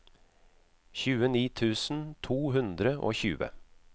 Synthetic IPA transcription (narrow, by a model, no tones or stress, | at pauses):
çʉːəniːt̪ʰʉːsn̩t̪ʰuːɦʉnd̪ɾəʔo̰ːçʉ̰ːə̰